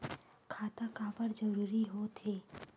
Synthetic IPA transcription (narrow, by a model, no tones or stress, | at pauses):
kʰaːt̪akapəɾd͡ʒəɾuːɾiɦot̪ʰeː